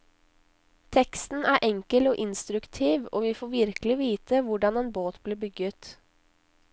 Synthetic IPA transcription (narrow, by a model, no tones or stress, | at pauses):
t̪ʰɛkst̪n̩æːɾʔɛŋkəloːʔɪnst̪ɾʉkt̪ʰiːʋo̰ːʋifoːʋɪɾkəlɪʋiːt̪əʋʊɖɑneːnboːt̪bleːbʏɡət̪